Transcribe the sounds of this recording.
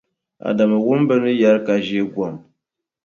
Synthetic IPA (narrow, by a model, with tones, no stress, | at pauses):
a̰˨da˨mə˨ɣu˦m˦bə˦nɨ˦ja˦ɾka˨ʒe˦ɡwɔ˨m